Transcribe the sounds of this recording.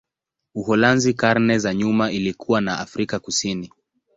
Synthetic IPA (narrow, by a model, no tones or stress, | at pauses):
uhɔlanzikaɾnɛzaɲumaʔilikuwanaʔafɾikakusini